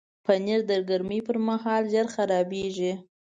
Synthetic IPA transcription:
pəneɾd̪əɾɡaɾmipəɾmaɦɑlʒaɾxaɾɑbeʒi

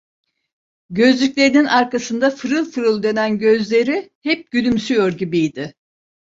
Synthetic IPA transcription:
ɟø̞zlʲycʲlʲe̞ɾininaɾkasɯnd̪afɯɾɯlˠfɯɾɯlˠd̪e̞nænɟøzlʲe̞ɾihɛp̚ɟylymsyjo̞ɾɟibijd̪ɪ

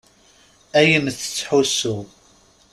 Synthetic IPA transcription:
æjəmθə̥t͡sːħusu

